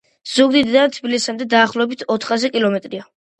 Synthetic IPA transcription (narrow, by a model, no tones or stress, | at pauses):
z̥uɡd̪id̪d̪at̪ʰbilisamd̪ɛd̪aːχlˠɔɛbit̪ʰɔt̪ʰχazɛkʼilˠɔmɛt̪ʼɾia